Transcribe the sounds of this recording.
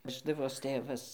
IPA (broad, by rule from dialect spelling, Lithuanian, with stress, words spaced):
ˈʋʲæːʒdɐʋoːs ˈtʲeːʋɐs